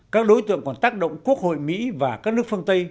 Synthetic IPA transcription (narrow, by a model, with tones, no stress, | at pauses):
kaː˦˥k̚ɗo˨˦jt̪ɨ̰˧˨əŋkɔ˨˩nt̪aː˦˥k̚ɗo̰˧˨wŋ͡mku˦˥ək̚ho̰˧˨jmḭ˧˥vaː˨˩kaː˦˥k̚nɨ˦˥ək̚fə˧əŋt̪ə˧j